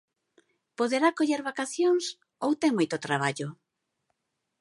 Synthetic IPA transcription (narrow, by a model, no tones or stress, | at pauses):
poðeɾakoʎeɾβakaθjoŋs | owt̪eŋmojt̪ot̪ɾaβ̞aʎʊ